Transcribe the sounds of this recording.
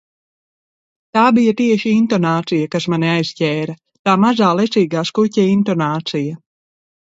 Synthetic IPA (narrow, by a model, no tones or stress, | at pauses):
t̪aːbijat̪iɛʃiint̪ɔnaːt̪sijakasmaniajzcʲɛːɾɐ | t̪aːmazaːlˠɛt̪siːɡaːskucɛint̪ɔnaːt̪sija